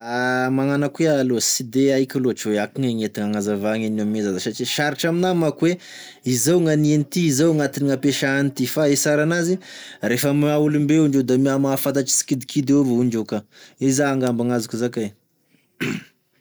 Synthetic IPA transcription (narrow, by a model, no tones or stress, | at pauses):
amaŋanakwealosid̪eaikʲuloaʈ͡ʂweakiŋaŋet̪iŋaŋazavaŋenamezazasat͡ʃiʃaɾiʈ͡ʂaminamakwe | izawŋanienit̪iizawŋat̪iniŋapeʃaanit̪ifaesaɾanazirefəmaulumbeuɳɖ͡ʐed̪amiamafat̪aʈ͡ʂi̥si̥kid̪ikʰid̪eovouɳɖ͡ʐekaizaːŋɡambaŋazukuzaka